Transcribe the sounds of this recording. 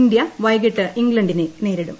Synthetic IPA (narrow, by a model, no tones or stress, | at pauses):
nd̪jɐʋɐjɡiʈːɨʔiŋɡlɐɳɖinene̞ːɾiɽṵm